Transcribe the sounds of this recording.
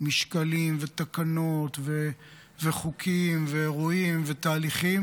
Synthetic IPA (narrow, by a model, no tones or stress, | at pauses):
miʃkalimvet̪akano̞t̪ve | veχukʰimveʁoimvet̪aːliχi